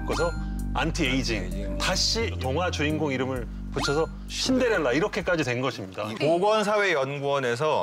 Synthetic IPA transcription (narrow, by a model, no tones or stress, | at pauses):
k͈osʰʌantʰieid͡ʑiŋtaɕ͈ʰitoŋɦwat͡ɕuinɡoŋiɾɯmɯɭ | put͡ɕʰʌsʰʌ | ɕʰinde̞ɾjʌnːaiɾʌkʰe̞k͈ad͡ʑidwe̞nɡʌɕʰimɲidapoɡwʌns̬ʰawe̞jʌnɡuʌne̞s̬ʰʌ